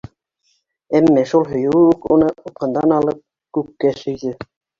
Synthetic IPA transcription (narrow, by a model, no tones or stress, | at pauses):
æmːæʃulˠɦɵ̆jŭwɘʉkunɤŏp̪qɤ̆nd̪ɑnɑlˠɤp̚ | kʉkːæʃɵ̆jðɘ